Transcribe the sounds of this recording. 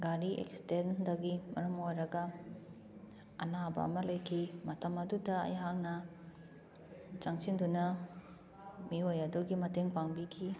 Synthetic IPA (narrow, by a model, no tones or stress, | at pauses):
ɡaɾiʔḛkstendɐɡimɐɾɐmojɾɐɡɐ | ɐ̰nabɐ̰ɐ̰mɐlɐjkʰimɐtʰɐmɐdudɐɐ̰jɦaŋnɐ | t͡ʃaŋsindunɐ | miojɐduɡimɐteŋpaŋbikʰi